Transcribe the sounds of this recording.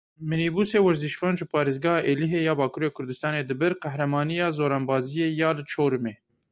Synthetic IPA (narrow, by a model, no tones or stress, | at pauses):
mɨniːbuːseːwɪɾziʃfɑːnʒɨpʰɑːɾeːzɡɑhɑːʔeːliɦeːjɑːbɑːkʰuːɾeːkʰʊɾd̪ɨst̪ɑːneːd̪ɨbɨɾqɛhɾɛmɑːnijɑːzoːɾɑːnbɑːzijeːjɑːlɨt͡ʃʰoːɾɨmeː